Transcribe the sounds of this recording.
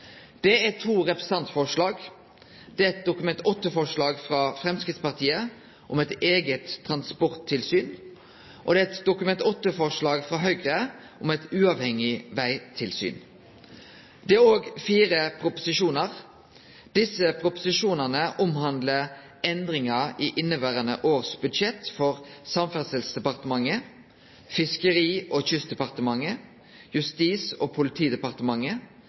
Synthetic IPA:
d̪̥ɛæt̪ʰuːʁɛpɾə̥sɑnt̪fɔʂlɑːɡ | d̪̥ɛɛt̪̚d̪ʊkʉmɛnt̪ɔt̪ːəfɔʂɭɑːɡfɾɑfɾɛmskʁɪt̪spɑʁt̪ʰiːə | ʔɔmɛt̪eːɡət̪ʰːʁɑnspɔʁt̪ʰːɪlsyːn | ʔɔ̰d̪ɛɛt̪d̪ʊkʉmɛnt̪ɔt̪ːəfɔʂlɑːɡfʁɑɦœʏɡʁə | ʔʊmɛɪt̪ʉːɑʋhɛŋɪʋæɪt̪ʰɪlsy̰ːn | d̪̥ɛæɾoːɡfiːʁəpʰʁʊpʊ̥sɪʃuːnɑʁ | d̪̥ɪsəpʰʁʊpʊsɪʃuːnəʁnəʔʊmhɑnd̪lə | ɛnd̪ʁɪŋɑʁiːʔɪnːəʋæːʁənə̰ʔoːʁsbʉd̪ʃɛt̪fɔʁsɑmfæʁsɛlsd̪ɛpɑʁt̪əmɑŋːə | fɪskəʁiːʔoːçʏsd̪ɛpɑʁt̪əmɑŋə | jʉst̪iːsoːpʰʊlɪt̪ʰiːd̪ɛpɑʁt̪əmɑŋə

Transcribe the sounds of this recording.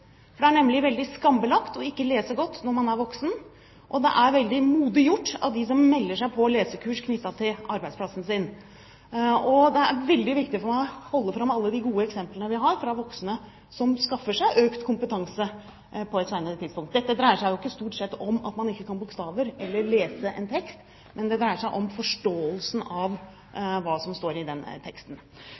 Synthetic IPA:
fɔɖɛæɳɛmlɪʋɛld̪ɪskɑmbəlɑkt̪ɔɪkːəleːsəɡɔt̪ːnɔɾmɑnæɾʋɔksn | ʔɔd̪ɛ̰ʔæɾʋɛld̪ɪmuːd̪ɪjʊʈːɑ̰t̪d̪ɪs̬ɔmːɛlːəʂæɪpʰɔleːsəkʰʉːʂkʰnʏt̪ːɑt̪ʰɪlɑɾbæɪd̪spʰlɑsn̩sɪn | ɔd̪ɛæɾʋɛld̪ɪʋɪkt̪ɪfɔɾmæɪhɔlːəfɾɑmːɑlːəd̪ɪɡuːəɛksɛmplənəʋɪɦɑɾfɾɑʋɔksnə | sɔmskɑfːəʂæɪʔøːkt̪kʰʊmpət̪ʰɑŋsə | pʰɔɛt̪sæɪnəɾət̪ʰɪd̪spʊŋkt̪̚d̪ɛt̪ːəd̪ɾæɪəʂæɪjʊɪkːəst̪uːʈsɛt̪ːɔmɑ̰t̪mɑnɪkːəkɑnbʊkst̪ɑːʋəɾɛlːəɭeːsəʔɛ̰nt̪ʰɛkst̪ | mʔɛnd̪ɛd̪ɾæɪəʂæɪʔɔmfɔʂʈoːəlsn̩ɑʋ | ʋɑːsɔmst̪oːɾɪd̪ɛnt̪ʰɛkst̪n̩

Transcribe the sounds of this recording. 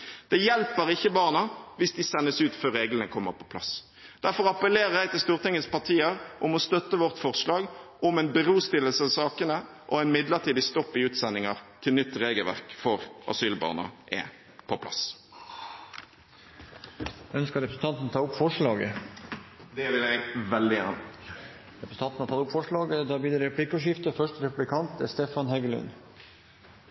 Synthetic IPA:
d̪̥ɛjɛlpəʁɪçːəbɑːʁnɑʋɪsd̪ɪsɛnːəsʉːt̪føːʁeːɡlənəkʰɔmːəʁpʰɔ̥pʰlɑ̰s | d̪̥æʁfɔʁɑpəleːɾəʁjæɪt̪ɪlst̪uːʁt̪ʰɪŋːəspɑʁt̪ʰiːəʁʔɔmɔst̪œt̪ːəʋɔʁt̪fɔʁʂlɑːɡʔɔmɛnbəʁuːst̪ɪlːəlsəɑsɑːkənə | ʔɔɛɪnmɪd̪ləʁt̪ʰiːd̪ɪst̪ɔpːɪʉːt̪sɛnːɪŋɑʁt̪ʰɪlnʏt̪ːʁeːɡəlʋæ̰ʁkfɔʁʔɑ̰syːlbɑ̰ːʁnə̰ʁʔɛ̰ | pʰɔpʰlɑ̰s | œnskəɾɛpɾəsn̩ɑnt̪n̩t̪ʰɑːʊpfɔʂɭɑːɡə̰ | d̪ɛʋɪlɛɡʋɛld̪ɪjæ̰ːnə | ɾɛpɾəsn̩ɑnn̩ɑt̪ʰɑt̪ʊpfɔʂɭɑːɡəd̪ɑbiːd̪əɾɛpʰlɪkɔʃɪft̪əfœʂʈəɾɛpʉblɪkʰɑnt̪ɛ̰st̪efɑnhɛɡlʉ̰n

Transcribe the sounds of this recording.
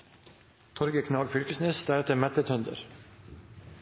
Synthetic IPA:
t̪ʰɔɾɡəkʰnɑːɡfʏlkəsnesd̪æɾɛt̪əmɛt̪ət̪ʰœnd̪ə̰ɾ

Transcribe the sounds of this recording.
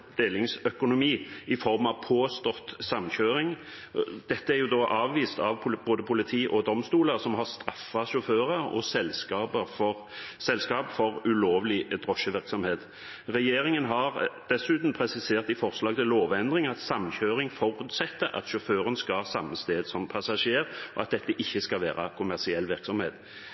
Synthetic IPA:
d̪̥eːlɪŋsœkʊnʊmiːɪfɔʁmɑʋpʰoːst̪ɔt̪sɑmɕøːɾɪŋ | d̪̥ɛt̪ːəæɾjʊd̪oːʔɑːʋʋiːst̪ɑʋʰʊboːd̪əpʰʊlɪt̪ʰiːʔɔd̪ɔmst̪uːləɾsɔmɦɑʁst̪ɾɑfːɑʃʊføːʁəɾɔ̰sɛlskɑːbəɔ | sɛlskɑːpfɔʁʉloːʋlɪd̪ʁɔʃəʋɪɾksɔmheːt̪ | ʁɛjeːɾɪŋənɦɑɾd̪ɛsʉːt̪m̩pʰɾɛsɪseːʁt̪ɪfɔʁslɑːɡt̪ɪloːʋɛnd̪ʁɪŋɑt̪sɑmːçøːɾɪŋfɔɾʉːt̪sɛt̪ːəɾʔɑ̰t̪ʃʊføːʁənskɑsɑmːəst̪eːd̪sɔmpʰɑsɑʂeːɾʔɔɑt̪̚d̪ɛt̪ːəʔɪçːəskɑlʋæ̰ːɾɑ̰kʰʊmæʁsɪɛlːʋɪɾksɔmhḛːt̪

